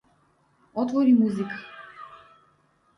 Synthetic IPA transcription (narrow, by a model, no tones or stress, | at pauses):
ɔt̪ʰvɔɾimuzikʰḁ